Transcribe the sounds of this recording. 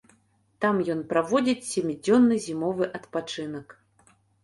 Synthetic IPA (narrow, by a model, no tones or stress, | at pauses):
t̪amjɔnpɾavɔd͡zʲit͡sʲsʲemʲid͡zʲɔnːɨzʲimɔvɨʔɐt̪pat͡ʂɨnɐk